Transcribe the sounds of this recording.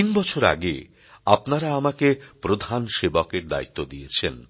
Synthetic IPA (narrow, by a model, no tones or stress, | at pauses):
inbɔt͡ɕʰoɾa̰ɡḛ | apnaɾaamakepɾod̪ʱanʃebakeɾd̪a̰it̪ːod̪ijet͡ɕʰen